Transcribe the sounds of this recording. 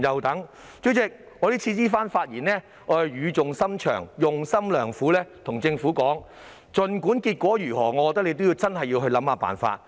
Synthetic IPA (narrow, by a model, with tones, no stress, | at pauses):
jɐ˨wt̪ɐ˨˥ŋ | t͡sɵ˨˥t͡sɪ˨k̚ | ŋɔː˨˧ɾiː˥t͡sʰiː˧t͡siː˥faː˥nfaː˧t̚jiː˨˩nlɛː˥ | ŋɔː˨˧˥hɐ˨˧jjyː˨˧t͡sʊ˨ŋsɐ˥mt͡ʃʰœ̰ː˨˩ŋjʊ˨ŋsɐ˥mlœː˨˩ŋfuː˨˥lɛː˥t̪ʰʊ˨˩ŋt͡sɪ˧ŋfuː˨˥kɔː˨˥ŋ | t͡sɵ˨nkuː˨˥nkiː˧t̚kʷɔː˨˥jyː˨˩ɦɔː˨˩ŋɔ˨˧kɔ˨˧t̪ɐ˥le˨˧jt̪o˥ji˧wt͡sɐ˥nhɐ˨jːi˧wɦɵ˧ɥlɐ˨˥mhaː˨˧pa̰ː˨˩nfa̰ː˧t̚